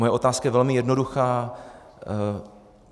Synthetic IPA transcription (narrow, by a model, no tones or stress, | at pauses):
ojɛo̞t̪aːskajɛvɛlmɪjɛdnoduxaː